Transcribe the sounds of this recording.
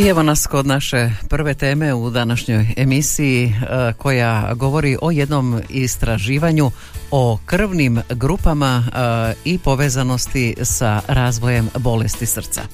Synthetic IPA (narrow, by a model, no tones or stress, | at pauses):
ieʋo̞nasko̞d̪naʃe̞pr̩ʋe̞t̪e̞ːme̞ud̪anaʃɲo̞je̞misijikʰo̞jaɡo̞ʋo̞ɾiʔo̞je̞d̪no̞mist̪ɾaʒiːʋaɲu | o̞kr̩ʋnimɡɾuːpama | ipo̞ʋe̞ːzano̞st̪isaɾaːzʋo̞je̞mbo̞le̞st̪isr̩t̪sa̰